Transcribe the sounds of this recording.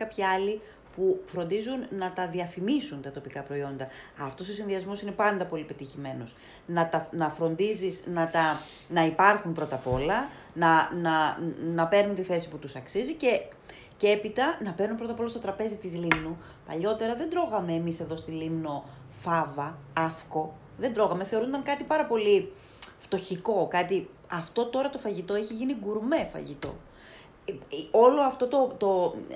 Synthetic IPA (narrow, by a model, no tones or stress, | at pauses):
kɐpçiɐli | pufɾo̞nd̪izunːɐt̪ɐðiɐfimisunt̪ɐt̪o̞pikɐpɾo̞io̞nd̪ɐɐft̪o̞so̞sinðiɐzmo̞sine̞pɐnd̪ɐpo̞lipe̞t̪içime̞no̞s | nɐt̪ɐnɐfɾo̞nd̪izisnɐt̪ɐ | nɐipɐɾxumpɾo̞t̪ɐpo̞lɐ | nɐnɐnɐpe̞ɾnunt̪iθe̞si̥put̪usɐksizice̞ | cepit̪ɐnɐpeɾnumpɾo̞t̪ɐpo̞lɐst̪o̞t̪ɾɐpe̞zit̪izlimnu | pɐ̰ʎo̞t̪e̞ɾɐðe̞nd̪ɾo̞ɣɐme̞ːmise̞ðo̞st̪ilimno̞ | fɐvɐɐfko̞ | ðe̞nd̪ɾo̞ɣɐme̞θe̞o̞ɾund̪ɐŋkɐt̪ipɐɾɐpo̞li | ft̪o̞çiko̞kɐt̪iɐft̪o̞t̪o̞ɾɐt̪o̞fɐʝit̪o̞eçiʝiniɡuɾme̞fɐ̰ʝit̪o̞̰ | o̞lo̞ɐft̪o̞t̪o̞t̪o̞